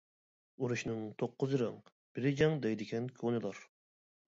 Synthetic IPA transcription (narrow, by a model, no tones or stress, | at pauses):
uɾuʃnɨŋt̪ʰoqʰːʊzɨɾɑ̰ŋ | b̥ɪɾɪd͡ʒɛŋd̪ɛjd̪ɪkʲɛnkʲʰonɨlˠɑɾ